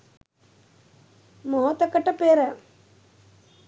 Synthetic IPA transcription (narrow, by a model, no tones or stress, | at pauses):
moɦot̪ɐkɐʈɐpeːɾɐ